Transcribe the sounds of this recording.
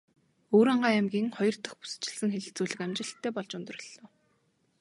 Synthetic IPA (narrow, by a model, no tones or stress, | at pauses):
oːɾaɴɢaːæmɡʲiːŋχɔjɞ̆rt̪ə̆χpu̥sɘ̥̆t͡ɕɪ̆ɮsɘ̆ŋxeɮɘ̆ɬt͡suːɮɘ̆kæmt͡ɕɪ̆ɬt̪ʰːæːpɔɮt͡ɕʊnt̪̆rɞ̆ɮːɔː